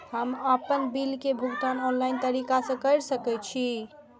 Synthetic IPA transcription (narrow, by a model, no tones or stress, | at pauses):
həməpənbilkebʱuɡt̪anɔnlaint̪əɾikasə̃kəɾsəkɛt͡ʃʰi